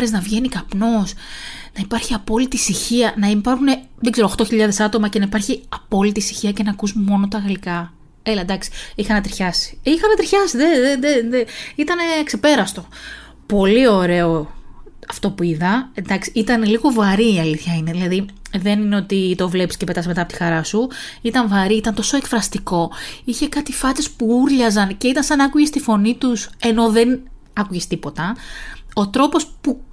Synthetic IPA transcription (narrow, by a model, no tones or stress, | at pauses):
ɾeznɐvʝe̞nikɐpno̞snɐipɐɾçiɐpo̞lit̪isiçiɐnɐipɐɾxune̞ | ðeɡzeɾoxt̪o̞çiʎɐðe̞sɐt̪o̞mɐce̞nɐipɐɾçiɐpo̞lit̪isi̥çiɐce̞nɐːkusmo̞not̪ɐɣɐlikɐ | elɐd̪ɐksi̥ixɐnɐt̪ɾiçɐsi̥ixɐnɐt̪ɾiçɐsiðeðeeeit̪ɐne̞kse̞pe̞ɾɐst̪o̞ | po̞lio̞ɾe̞oɐft̪o̞puiðɐnd̪ɐksi̥it̪ɐneliɣo̞vɐɾiːɐliθçɐineðilɐðiðe̞nine̞o̞t̪it̪o̞vle̞psi̥scepe̞t̪ɐsme̞t̪ɐpot̪ixɐɾɐsuit̪ɐɱvɐɾiit̪ɐnt̪o̞so̞e̞kfɾɐst̪iko̞içe̞kɐt̪ifɐt̪espuuɾʎɐzɐnce̞it̪ɐnsɐnɐkuʝest̪ifo̞nit̪use̞no̞ðe̞n | ɐkuʝest̪ipo̞t̪ɐ | o̞t̪ɾo̞po̞spu